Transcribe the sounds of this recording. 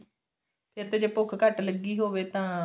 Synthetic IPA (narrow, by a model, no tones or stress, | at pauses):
pʰɪɾt̪eːd͡ʒeːpʊkʰkəʈləɡːiːɦoːʋeːt̪ãː